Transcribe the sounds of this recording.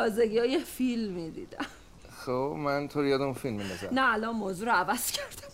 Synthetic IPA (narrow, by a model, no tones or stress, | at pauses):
ɒːzeɡiːɒːjefilmid̪ḭːd̪æ̰m | xobmænt̪ʰoɾijɒːd̪eunfilmːind̪ɒzænæːlɒnmoːzuːɾoævæz̥cʰæɾd̪̥æm